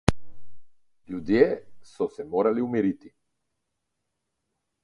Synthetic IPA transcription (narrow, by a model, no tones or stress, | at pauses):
ʎud̪iɛsɔsɛmɔɾaliumiɾit̪i